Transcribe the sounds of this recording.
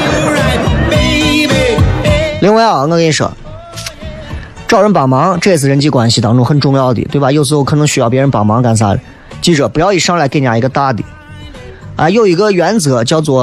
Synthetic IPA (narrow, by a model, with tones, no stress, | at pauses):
li˧˥ŋwe˧˥ɑ˨˩ə˧˥ŋkɑ˥˧kʂɤ̰˨˩ | ʈ͡ʂɑ˥˩ʊɻə˧˥npɑ˨˩ʊmɑ˧˥ŋʈ͡ʂɤ˥˧i˥t͡s̬ʰɹ̩˥˩ɻə˧˥nt͡ɕi˥˩kwa˥nɕi˧˩t̪ɑ˧˥ŋʈ͡ʂʊ˥˩ŋxə˨˩nʈ͡ʂʊ˥˧ŋjɑ˥˩ʊd̪ḭ˨t̪we˥˩ɪba˨˩jo˥˧ʊsɹ̩˧˥xo˥˩kʰɤ˨˩nɤ˧˥ŋɕy˥jɑ˥˩ʊpjɛ˧˥ɻə˧˥npɑ˨˩ʊmɑ˧˥ŋka˧˩ns̬a̰˧˥˩l̰ | t͡ɕi˥˩ʈ͡ʂɤ˨˩pu˧˥jɑ˥˩ʊi˨˩ʂɑ˥ŋla˧˥knja˧˩i˧˥ɡə˧t̪a˥˩t̪ḭ˨˩˦ | a̰˥˧ɪjo˥˩ʊi˧˥ɡə˧ɥɛ˧˥nt͡sɤ˧˥t͡ɕjɑ˥˧ʊt͡swɔ˥˩